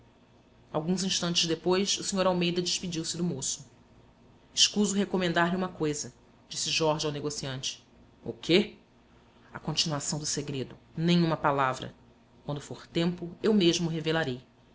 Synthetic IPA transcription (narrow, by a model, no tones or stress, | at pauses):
awɡũzĩʃt̪ɐ̃nt͡ʃɪzd̪epojsusĩɲoɾawmejd̪ɐd͡ʒɪʃpid͡ʒiwsɪd̪ʊmosʊ̥ | iʃkuzʊɦekomẽnd̪aɾliũmɐkojzɐ | d͡ʒisɪʒɔɾʒiawneɡosiɐ̃nt͡ʃɪ̥ | ʊ̰kʰe | ɐkõt͡ʃinuasɐ̃w̃d̪ʊseɡɾed̪ʊnẽj̃ũmɐpalavɾɐ̰ | kwɐ̃nd̪ʊfoɾt̪ẽmpʊewmeʒmʊuɦevelaɾej